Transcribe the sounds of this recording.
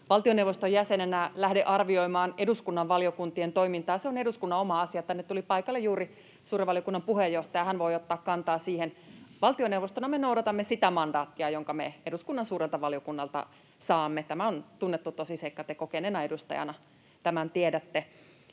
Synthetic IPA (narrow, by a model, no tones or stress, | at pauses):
ʋɑlt̪ionewʋost̪ojæsenenælæhdeʔɑrʋioimɑːneduskunːɑʋʋɑliokunt̪ient̪oimint̪ɑːseoneduskunːɑomɑɑsiɑet̪ːænːet̪ulipɑikɑlːejuːri | suːɾiʋɑlijokunːɑmpuhejːoht̪ɑjɑhænʋoiot̪ːɑːkkɑnt̪ɑːsiːhenʋɑlt̪ionewʋost̪onɑmenoudɑt̪ɑmːesit̪æmɑndɑːt̪ːiɑjoŋkɑmḛeduskunːɑnsuːrelt̪ɑʋɑlijokunːɑlt̪ɑ̰ | sɑːmːet̪æmæont̪unːet̪ːut̪osiseikːɑt̪ekokenenɑedust̪ɑ̰jɑ̰nɑ | t̪æmænt̪iedæt̪ːe